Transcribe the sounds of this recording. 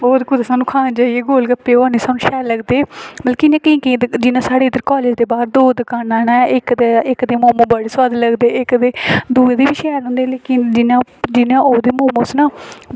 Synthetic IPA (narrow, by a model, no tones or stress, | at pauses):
boːd̪kʊd̪aːsaːnũːkʰaːnːd͡ʒaːieːɡoːlɡəpːeːaːneːsaːnũːʃɛːləɡd̪eːməlkɪnẽːkĩːkːd̪d͡ʒɪnãːsaːɽeːd̪əɾkaːleːd͡ʒd̪eːbaːɾd̪oːd̪əkaːnaːnaːʔɪkd̪eɪkd̪eːmoːmõːbəɽeswaːd̪ləɡd̪eːɪkd̪eːd̪uːeːd̪iːʋiːʃɛːlɦõːnd̪eeːleːkɪnd͡ʒɪnaːd͡ʒɪnãːʔoːd̪eːmõːmõːsnãː